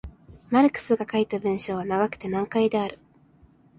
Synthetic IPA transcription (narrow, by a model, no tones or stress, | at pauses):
maɾɯ̟kɯ̟̥sɨɡakait̪abɯ̟̃ɰ̃ɕo̞ːβanaɡakɯ̟̥t̪e̞nãŋkaid̪e̞aɾɯ̟